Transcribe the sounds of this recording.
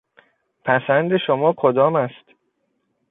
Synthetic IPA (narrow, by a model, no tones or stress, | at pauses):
pʰæsænd̪e̞ʃomɒːkʰod̪ɒːmæst̪